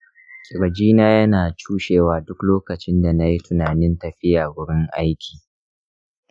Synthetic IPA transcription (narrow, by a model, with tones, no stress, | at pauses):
kʼɪ˨ɾɐ˨d͡ʒiː˦naː˦jɐ˦naː˨t͡ʃuː˦ʃeː˨waː˨dʊ˦kloː˦kɐ˨t͡ʃɪ˦nda˨na˦ji˦tʊ˨naː˨nɪ˦ntɐ˨ɸɪ˦jaː˨wʊ˦ɽɪ˦ŋʔa˦jkʲʰi̥ː˨